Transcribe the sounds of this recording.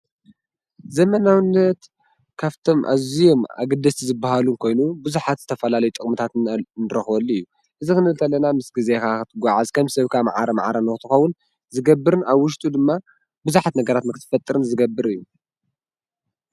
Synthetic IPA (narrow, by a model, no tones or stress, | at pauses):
zɐmɐnawɨnːɐt̪ | kʰaβt̪ʰo̞mʔa̰zijo̞ma̰ɡɨd̪ɐsizɨbːahalunkʰo̞jnubɨzuħat̪zɨt̪ʰɐfɐlalɐjut̪ʼɨkʼmɨt̪ʰat̪nɨɾɐxwɐlːuɨjːu | ʔɨzikɨnɨt̪ʰɐlːɐnamɨsɡize̞kakɨt̪ʰɨɡʷaʕazkʰɐmsɐβkʰama̰ʕaɾɐma̰ʕaɾɐnɐxɨt̪ʰɨxɐwːʊn | zɨɡɐbːɨɾɨnaβwʊʃ̬t̪ʼud̪ɨmːa | bɨzuħat̪nɐɡɐɾat̪mɨkt̪ʰɨ̥fɐt̪ʼːɨɾɨnzɨɡɐbːɨɾɨjːu